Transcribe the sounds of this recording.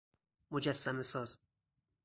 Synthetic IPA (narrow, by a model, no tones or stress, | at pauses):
mod͡ʒæsːæmesɒːz